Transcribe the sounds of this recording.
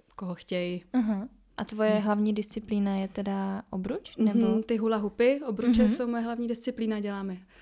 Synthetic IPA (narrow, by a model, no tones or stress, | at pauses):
koɦoxcɛjaɦa | ʔat̪vo̞jɛɦlavɲiːdɪst͡sɪplinajɛt̪ɛdaʔobɾut͡ʃnnɛbot̪ɪɦulaɦupɪʔobɾut͡ʃɛsowmojɛɦlavɲiːdɪst͡sɪpliːnaɟɛlaːmɛ